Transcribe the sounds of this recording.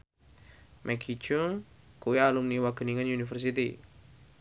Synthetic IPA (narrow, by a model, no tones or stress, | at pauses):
mʔɛɡi̥t͡ʃuŋ | kuwialumniwaɡ̥ə̤niŋanjunifərs̬it̪ḭ